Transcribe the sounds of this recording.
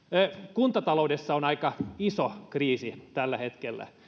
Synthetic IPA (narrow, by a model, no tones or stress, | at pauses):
kunt̪ɑt̪ɑloudesːɑonɑikɑisokriːsit̪ælːæhet̪kelːæ̰